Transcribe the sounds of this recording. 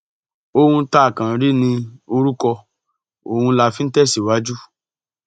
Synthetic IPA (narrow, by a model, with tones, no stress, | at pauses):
o˦hũ˧˦ta˦˨kã˨ɾi˦nĩ˧o˧ɾu˦kɔ˧ | o˨hũ˧˦la˧fĩ˦n̩˦tɛ˦˨si˨wa˨˦d͡ʒu˦